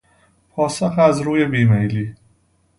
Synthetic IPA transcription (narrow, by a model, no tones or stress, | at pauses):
pʰɒːsoxæzɾuːje̞biːmejliː